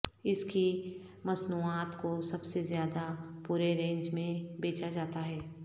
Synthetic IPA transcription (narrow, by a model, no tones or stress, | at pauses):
ɪski | mɐznuːaːt̪kosɐbsezjaːd̪apuːɾeɾẽːɲd͡ʒmẽbeːt͡ʃad͡ʒaːt̪aɦɛː